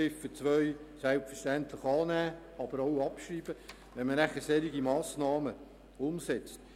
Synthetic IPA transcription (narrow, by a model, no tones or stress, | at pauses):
ɪfət͡sʋœʏɥsɛlpfəʃtænt̪lɪχɑːnæː | ɑb̥əɾowɑpʃɾiːb̥ə | ʋɛnmənɾæχəsɛɾiɡimɑːsnɑːmə | ʊmsɛt͡st